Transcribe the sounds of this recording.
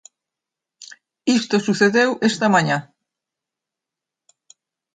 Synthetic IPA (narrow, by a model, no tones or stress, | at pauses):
ist̪osuθeðewʔest̪amãɲa